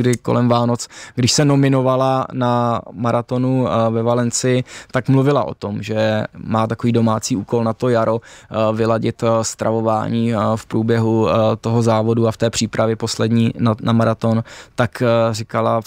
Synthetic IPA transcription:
dɪko̰lɛmvaːnot͡sɡdɪʃsɛno̞mɪno̞valanamaɾat̪o̞nuvɛvalɛnt͡sɪjɪt̪akmluvɪlaʔo̞̰t̪o̞mʒɛmaːt̪ako̞viːdo̞maːt͡siːʔuːko̞lnat̪o̞jaɾo̞vɪlaɟɪt̪st̪ɾʔavo̞vaːɲiːfpɾuːbjɛɦut̪o̞ɦozaːvo̞duaft̪ɛːpr̝̥iːpɾavjɛpo̞slɛdɲiːnanʔamaɾat̪o̞nt̪akrɪkala

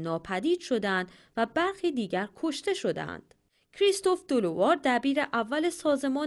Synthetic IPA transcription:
nɒːpʰæd̪iːd̪̥ʃo̞d̪ænd̪ | væbæɾxiːd̪iːɟæɾkʰo̞ʃt̪e̞ʃo̞d̪æ̰nd̪̥ | cʰɾist̪o̞fd̪̥olovɒːɾd̪æbiːɾe̞ʔævːæle̞sɒːze̞mɒː

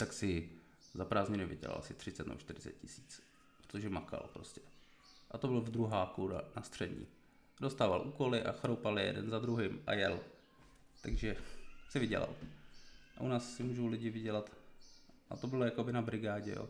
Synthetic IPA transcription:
t̪aksɪ | zapɾaːzɲɪnɪvɪ̰ɟɛ̰la̰lsɪt̪r̥ɪtt͡sɛt̪nɛ̰bot͡ʃt̪ɪɾɪt͡sɛ̰t̪̚cɪsi̥ːt͡s | pɾot̪oʒɛmaka̰lpɾoscɛ̥ | ʔat̪obɪlvd̪ɾuɦaːkuda̰nast̪r̥ɛdɲḭː | dost̪aːvalʔuːko̞lɪʔa̰xɾowpalɪjɛ̰dɛ̰nzad̪ɾuɦɪmʔa̰jɛl | t̪aɡʒɛsɪvɪɟɛ̰la̰l | ʔaʔunaːsːɪmuːʒowlɪɟɪvɪɟɛlat̪ | ʔat̪o̞bɪlojakobɪnabɾɪɡaːɟɛ̰jo̰ː

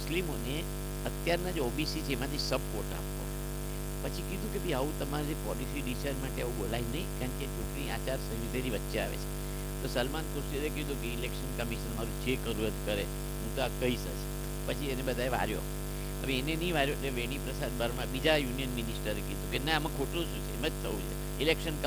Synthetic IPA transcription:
slimone | ət̪jaɾnad͡ʒeobisit͡ʃʰeːmat̪ʰisəb̚ʱkoʈa̰po̰ | pət͡ʃʰikid̪ʱũkebəiaʋũt̪əmaɾd͡ʒepɔlisiɖiʃəɾmaʈeaʋũɡolajd͡ʒnəĩkaɳket͡ʃʰuʈɳiat͡ʃaɾsə̃d͡ʒut̪eɾiʋətːʃea̰ʋḛt͡ʃʰe̥ | t̪osəlmankuɾseɾekid̪ʱũkeilekʃənkəmiʃənmaɾũd͡ʒekəɾuɾət̪kəɾe | ɦũt̪oakəisə̰ʃe | pət͡ʃʰienebəd̪ʱaeʋa̰ɾjo̰ | ə̰ʋeːnenəĩʋaɾjoeleʋeɽ̃ipɾəsad̪baɾmãbid͡ʒajunijənminisʈəɾekid̪ʱũkeneamãkʰoʈõʃũt͡ʃʰeemad͡ʒt̪ʰəũt͡ʃʰḛ | ilekʃənk

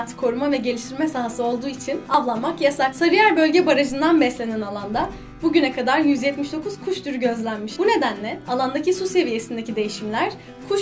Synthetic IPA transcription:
t̪ʰkʰo̞ɾumavɛɟe̞lʲiʃt̪ʰiɾmɛsaɦasɯo̞lˠd̪uːit͡ʃʰinavlˠanmakjasaɾsaɾɯjaɾbø̞lʲɟɛbaɾad͡ʒɯnd̪anbɛslʲe̞nɛnalˠand̪a | buɟynɛkʰad̪aɾjyzjɛt̪miʃd̪o̞kʰuz̥kʰuʃt̪ʰyɾɟø̞zlʲænmiʃbune̞d̪ænlʲɛalˠand̪acisuse̞vije̞sind̪ecʰid̪e̞jiʃimlʲæɾ̥ | kʰuʃ

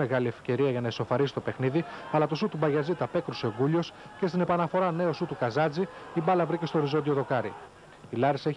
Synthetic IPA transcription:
eɣɐlie̞fce̞ɾiɐʝɐnɐeso̞fɐɾisi̥t̪o̞pe̞xniðiɐlɐt̪o̞sut̪ubɐʝɐzit̪ɐpe̞kɾuse̞oɡuʎo̞s | ce̞st̪ine̞pɐnɐfo̞ɾɐne̞osut̪ukɐzɐd͡ziibɐlɐvɾice̞st̪o̞ɾizod̪io̞ðo̞kɐɾḭ | ilɐɾise̞ç

